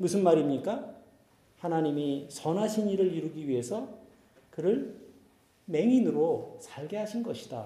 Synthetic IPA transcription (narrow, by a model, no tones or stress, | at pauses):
musʰɯnmaɾimɲik͈a | hanaɲimisʌnɦaɕʰiniɾɯɾiɾɯɡiɥiɦe̞sʰʌ | kɯɾɯɭ | me̞ŋinɯɾosʰaɭɡe̞ɦaɕʰinɡʌɕʰid̥a